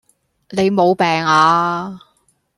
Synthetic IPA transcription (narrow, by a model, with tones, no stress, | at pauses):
ne˨˧jmo˨˧wpɛː˨˩ŋaː˨˧